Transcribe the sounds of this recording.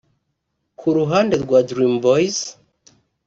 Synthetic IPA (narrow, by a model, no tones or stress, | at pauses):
kʰuɾuɦaːnde̞ɾɡwadɾimbojz̥